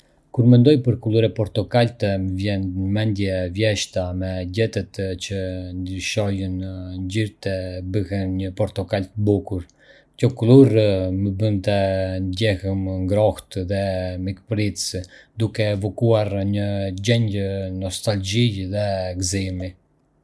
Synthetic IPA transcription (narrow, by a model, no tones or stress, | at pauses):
kuɾmɛnd̪ɔjpəɾkulˠuɾɛpɔɾt̪ɔkalt̪ɛməvjɛnmɛnd̪jɛvjɛʃt̪amɛɟɛt̪ɛt̪t͡ɕənd̪iʃɔjənɲd͡ʑiɾt̪ɛbəhɛnɲəpɔɾt̪ɔkalt̪əbukuɾ | cɔkulˠuɾməbənt̪ɛnɟɛhəmŋɡɾɔht̪ðɛmikpɾit͡sd̪ukɛːvɔkuaɾɲəd͡ʑɛɲɟənɔst̪ald͡ʒiðɛɡzimi